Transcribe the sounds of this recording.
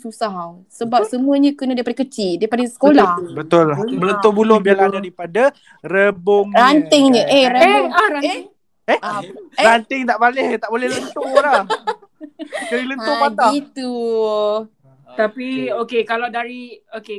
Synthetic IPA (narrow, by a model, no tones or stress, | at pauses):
susaɦaw | səbap̚səmuəɲãkənãdajipadakət͡ʃidaipadasə̥kolahbət̪ʊlahmələnt̪obulobialandaɾipada | rəboŋrant̪ɪŋɲəʔeɾəboŋae | ehɾant̪ɪŋt̪aʔpalɛht̪aʔbolɛhlənt̪olah | kənilənt̪opat̪ait̪u | t̪apiokekalawdaɾioke